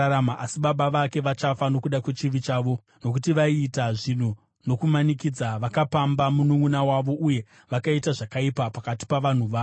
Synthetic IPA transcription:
aamaʔasiɓaɓaʋake̞ʋat͡ʃafano̞kuɗakwet͡ʃiʋit͡ʃaːʋo̞ | no̞k̬utiʋaiːtaʐin̤u | no̞kumanikid͡zaʋakapambamunuŋunawaʋo̞ʔuje̞ | ʋakaitaʐakaipapakati̥paʋan̤uʋaː

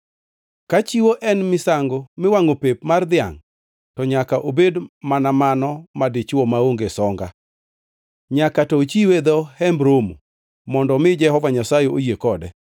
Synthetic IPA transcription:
kat͡ʃiwoʔɛnmɪsaŋɡomɪwaŋopepmard̪ɪa̰ŋ | tɔɲakaʔobedmanamanɔmadɪt͡ʃwɔmaoŋɡesɔŋɡa̰ | ɲakatɔt͡ʃiwed̪ɔhɛmbɾomu | mɔndɔmɪd͡ʒɛhɔvaɲasajeojekɔdɛ

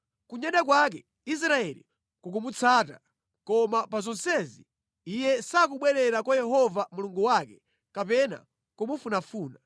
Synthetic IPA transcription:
kuɲɛnɛk̬wak̬ɛ | is̬ɾaɛlḭ | kukumut͡sʰaːta | kɔmapazɔnsɛzi | ijɛsak̬uɓwɛɾɛɾakwajɛɦɔvamuluŋɡuwakɛ | kapɛna̰ | kumufunafuːna

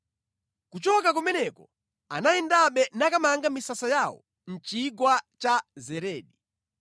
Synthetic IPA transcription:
kut͡ʃɔkakɔmɛnɛkɔ | anaɛndaɓɛnakamaŋɡamisasajawɔ̰ | n̩t͡ʃiɡwat͡ʃazɛɾɛːɗi

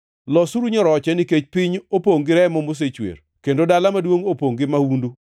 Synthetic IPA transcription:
lɔsuɾuɲɔɾɔt͡ʃɛniket͡ʃpɪɲopoŋɡɪɾɛmɔmos̬et͡ʃwḛɾ | kendodalamadwoŋopoŋɡɪmawundu

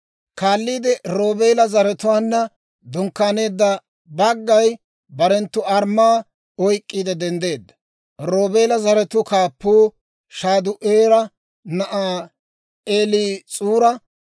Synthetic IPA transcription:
kaːlːiːd̪ɛɾo̞ːbe̞ːlɐzɐɾɛt̪ʊwaːnːɐ | d̪ʊŋkːaːne̞ːd̪ːɐ | bɐɡːɐj | bɐɾɛnt̪ːʊɐɾmːaː | ɔjkʼːiːd̪ɛd̪ɛnd̪e̞ːd̪ːɐ̥ | ɾo̞ːbe̞ːlɐzɐɾɛt̪ʊkaːpːuː | ʃaːd̪ʊʔeːɾɐ | nɐʔaː | eːliːt͡sʼuːɾɐ

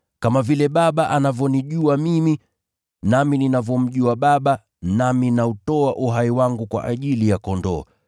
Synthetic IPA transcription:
kamavilɛɓaɓaʔanavjɔniʄuamimi | namininavjɔm̩ʄuaɓaɓa | naminautɔaʔuɦaiwaŋɡukwa̰ʔaʄilijakɔndɔː

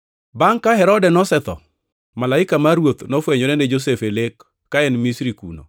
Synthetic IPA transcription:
baŋkahɛɾɔdɛnɔsɛt̪ɔ̰ | malaɪkamaɾwot̪nɔfwɛɲɔnɛnded͡ʒos̬efelekː | aɛnmisɾikṵno̰

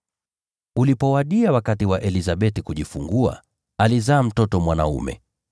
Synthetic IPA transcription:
ulipɔwaɗiawakatiwaʔɛlizaɓɛtikuʄifuŋɡua̰ | alizaːm̩tɔtɔmwana̰ṵmɛ̰

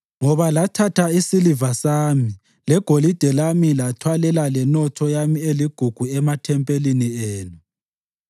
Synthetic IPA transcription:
ŋɔβalatʰatʰaisilivasaːmi | lɛɡ̥ʱolid̥ʱɛlamilatʰwalɛlalɛnɔtʰɔjamieliɡ̥ʱuɡ̥ʱuɛmatʰɛmpʼelinieːnu

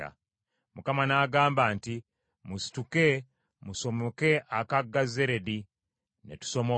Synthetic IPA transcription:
a̰ | mukamanaːɡaːmbaːnti | musi̥tuke̞ | muso̞moke̞ʔakaɡːazeɾedi | nḛtu̥so̞mo

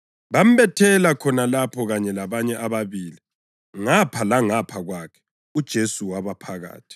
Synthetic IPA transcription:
βam̩βɛtʰɛlakʰɔnalapʰɔɣaɲɛlaβaɲɛʔaβaβiːli | ŋapʰalaŋapʰaɣwakʰɛ̥ | ud̥ʒ̥ʱesuwaβapʰaɣa̰ːtʰi̥

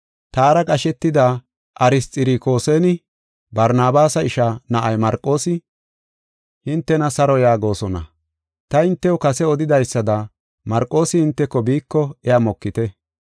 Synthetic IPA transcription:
t̪aːɾɐkʼɐʃɛt̪ːɪd̪a | ʔɐɾɪst̪ʼɪɾɪko̞ːsɛnɪ | bɐɾnaːbaːsɐɪʃɐnɐʔɐjmɐɾkʼːo̞ːsɪ | hɪnt̪ːɛnɐsɐɾɔjaːɡo̞ːsɔnɐ̰ | t̪ɐɪnt̪ːɛɔkɐsɛɔd̪ɪd̪ɐjsːɐd̪ɐ | mɐɾkʼːo̞ːsɪhɪnt̪ːɛkːɔbiːkːɔɛamɔkːɪt̪ɛ

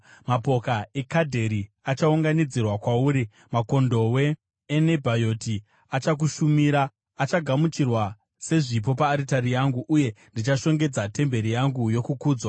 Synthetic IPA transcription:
mapo̞kaekadʱe̞ɾi | at͡ʃauŋɡanid͡zirwakwauːɾi | mako̞ndo̞we̞ː | ne̞bʱajo̞ti | at͡ʃak̬uʃumiɾaː | t͡ʃaɡʱamut͡ʃirwa | se̞ʐip̬o̞paːɾitaɾijaŋɡuʔuje̞ndit͡ʃaʃo̞ŋɡe̞d͡zate̞mbe̞ɾijaŋɡujo̞kukuːd͡zwa

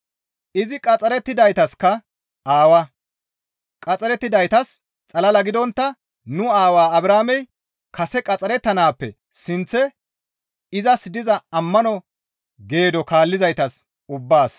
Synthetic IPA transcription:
ʔɪzɪkʼɐt͡sʼɐɾɛt̪ːɪd̪ɐjt̪ɐskɐ | aːwɐ | kʼɐt͡sʼɐɾɛt̪ːɪd̪ɐjt̪ɐs | t͡sʼɐlɐlɐɡɪd̪ɔnt̪ːɐ | nʊaːwaːɐbɾaːmɛj | kɐsɛkʼɐt͡sʼɐɾɛt̪ːɐnaːpːɛ̰ | sɪnt͡sːɛ | ɪzɐsd̪ɪzɐɐmːɐnɔ | ɡe̞ːd̪ɔkaːlːɪzɐjt̪ɐs | ʊbːaːs

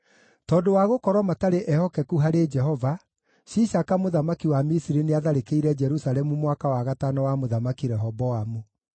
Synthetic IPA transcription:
tɔːdowaɣokɔɾwɔmataɾeʔɛhɔkɛkuɦaɾed͡ʒɛɦɔva | ʃiʃakamoðamakiwamisiɾineaðaɾekeiɾɛd͡ʒɛɾusalɛmumwakawaɣatanɔwamoðamakiɾɛɦɔbɔamo

